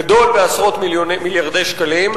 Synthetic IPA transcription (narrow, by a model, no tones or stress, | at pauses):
ad̪o̞lbeasʁo̞t̪miljonmiljaʁd̪e̞jʃkalim